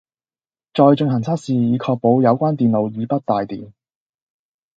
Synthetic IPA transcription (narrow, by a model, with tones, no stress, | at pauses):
t͡ʃɔː˨˧jt͡ʃɵ˧ŋɦɐ˨˩ŋt͡sʰaː˥t̚siː˨˧jiː˨˧kʰɔː˧k̚po˨˧wjɐ˨˧wkʷaː˥nt̪iː˨nlo˨˧wjiː˨˧pɐ˥t̚t̪aː˨˧jt̪ḭː˨m